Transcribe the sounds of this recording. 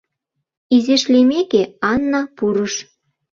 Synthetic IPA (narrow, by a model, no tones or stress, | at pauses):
izeʃlemekeɑnːɑpuɾəʃ